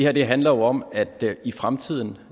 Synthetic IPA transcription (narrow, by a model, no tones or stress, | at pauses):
ehæɐd̥e̝ɦænlɐjoɒ̽mæd̥ifʁamt͡sʰið̞̰ˠn̩